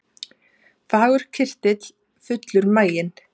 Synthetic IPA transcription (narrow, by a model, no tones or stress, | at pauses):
faːɣʏɾ̥cʰɪr̥t̪ɪt̪l̥ | fʏt̪lʏɾmaːjɪn